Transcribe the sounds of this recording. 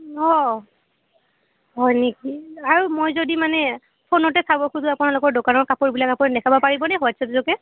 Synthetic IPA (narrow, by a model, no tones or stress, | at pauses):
ɔ | ɦɔjnekiaɹumojzodimanɛ | pʰonɔtɛsabɔxuzʊapunalʊkɔɹdokanɔɹkapoɹbilakapɔɹdɛkʰabɔpaɹibɔnɛɦɔatsʰɛtuzɔkɛ